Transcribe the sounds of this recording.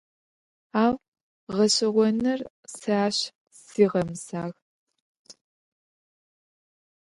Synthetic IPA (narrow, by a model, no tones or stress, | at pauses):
aːw | ʁɐɕɪʁʷɔnɨr | saːɕ | siːʁɐmsaːɣ